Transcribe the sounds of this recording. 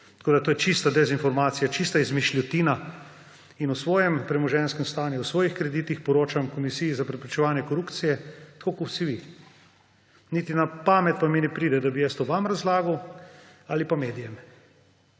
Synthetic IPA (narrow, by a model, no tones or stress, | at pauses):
t̪ɐ̥koːd̪at̪oːjɛt͡ʃist̪ad̪ɛzinfɔɾmaːt̪sijat͡ʃist̪aizmiʃlʲɔt̪iːna | inusʋɔːjɛmpɾɛmɔʒɛnskɛmst̪aːnjuwsʋɔːjixkɾɛd̪iːt̪ixpɔɾoːt͡ʃamkɔmisijizapɾɛpɾit͡ʃɛʋaːnjɛkɔɾuːpt̪sijɛt̪kʰoːkowsiʋi | nit̪inapaːmɛt̪̚paminɛpɾiːd̪ɛd̪abijɛst̪oʋamɾazlaːɡuw | alipameːd̪ijɛm